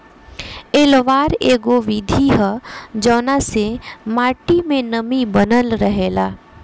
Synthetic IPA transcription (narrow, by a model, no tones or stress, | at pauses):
eːlʋaːɾeːɡoʋid̪ʱiɦəd͡ʒəːnasemaːʈimẽnəmibənəlɾəɦeːlaː